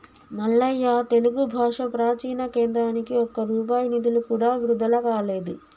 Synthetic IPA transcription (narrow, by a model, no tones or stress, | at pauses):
mɐɭːɐjːaːt̪e̞luɡubʱaːʂɐpɾaːt͡ʃiːnɐkeːnd̪ɾaːnikiɔkɐɾuːp̬aːjɐnid̪ulukuːɽaːʋiɾud̪ʱɐlɐkaːle̞ːd̪u